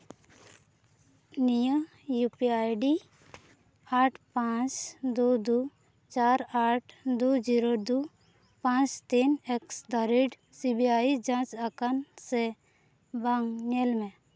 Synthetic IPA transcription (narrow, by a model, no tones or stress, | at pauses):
nijə | jupiajɖi | aːʈʰpãt͡ʃd̪ud̪u | t͡ʃaːɾaːʈʰd̪ud͡ʒiɾod̪u | pãt͡ʃt̪ineksd̪aɾiɖ | sibiaid͡ʒãːt͡ʃakanse | baŋːelmẽ